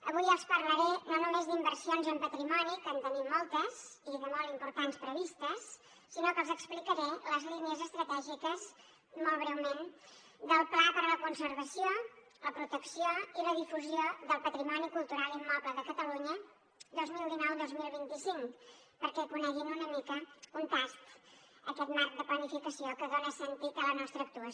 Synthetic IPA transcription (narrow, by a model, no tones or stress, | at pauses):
əβujəlˠspərləɾɛnonumezðimbəɾsijonzəmpət̪ɾimɔnikənt̪ənimmɔlˠt̪əziðəmolˠimpuɾt̪anspɾəβist̪əsː | inokəlˠzəksplikəɾɛləzliniəzəst̪ɾət̪ɛʒikəz | molˠβɾɛwmen | d̪əlˠplapəɾələkunsəɾβəsio | ləpɾut̪əksioiləð̞ifuzioðəlˠpət̪ɾimɔnikulˠt̪uɾalˠimːɔpləðəkət̪əluɲə | d̪ozmilˠd̪inɔwd̪ozmilˠβint̪isiŋk | pəɾkɛkunɛɣinunəmikəunt̪ast̪əkɛt̪maɾk̚d̪əplənifikəsiokəðonəsənt̪it̪ələnɔst̪ɾəːk̚t̪uə